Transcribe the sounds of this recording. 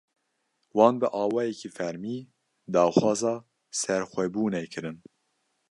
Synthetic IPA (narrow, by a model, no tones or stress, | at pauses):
wɑːnbɨʔɑːwɑːjɛkʰiːfɛɾmiː | d̪ɑːxɑːzɑː | sɛɾxʷɛbuːnɛkʰɨɾɨn